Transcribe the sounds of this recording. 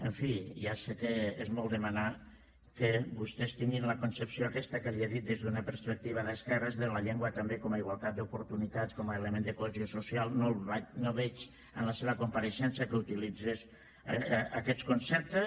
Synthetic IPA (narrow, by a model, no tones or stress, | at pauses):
əɱfiasekeezmɔlˠd̪əmana | kəbust̪est̪iŋɡinləkunsəpsijoakɛst̪akaβiaðit̪̚d̪ezðunapəɾspək̚t̪iβ̞aðəskɛrəzðəlaʎeŋɡwat̪ambekɔmaiɣwalˠt̪at̪̚d̪upuɾt̪unit̪at̪t͡skɔmaeləmẽnd̪əkoeziosusialˠnolβanoβɛt͡ʃ | ə̰nləseβəkumpaɾeʃɛnsakəut̪ilid͡zez | akɛt̪t͡skunsɛp̚t̪ə